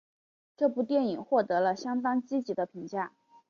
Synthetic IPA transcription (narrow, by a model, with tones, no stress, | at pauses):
ʈ͡ʂɤ˥˧pu˥˧t̪jɛ˥˩ni˨˩ŋxwɔ˥˩t̪ɤ˧˥lə˧ɕjɑ˥ŋt̪ɑ˥ŋt͡ɕi˥t͡ɕi˧˥d̪ə˧pʰi˧˥ŋt͡ɕja˥˩